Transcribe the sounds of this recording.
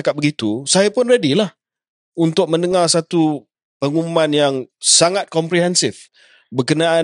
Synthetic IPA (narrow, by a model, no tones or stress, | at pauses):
akat̪̚bəɡit̪usajapʊnredilah | unt̪ʊk̚mə̃ndəŋarsat̪u | pəŋumumãnjaŋsaŋat̪̚kɔmpɾiɦɛnsɪf | bərkənaa